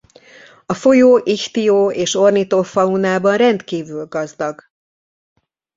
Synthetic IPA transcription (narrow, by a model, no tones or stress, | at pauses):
ɒfo̞joːʔiçt̪ijoːeːʃo̞rnit̪oːfɒunaːbɒnrɛnt̪kiːvyːlɡɒzd̪ɒɡ